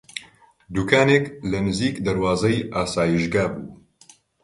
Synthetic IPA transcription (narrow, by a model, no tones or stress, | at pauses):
d̪uːkʰaːneːklɐnɨziːkd̪ɐɾwaːzɐjʔaːsaːjiʃɡaːbṵː